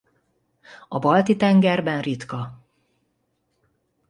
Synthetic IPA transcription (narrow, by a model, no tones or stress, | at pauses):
ɒbɒlt̪it̪ɛŋɡɛrbɛnrit̪kɒ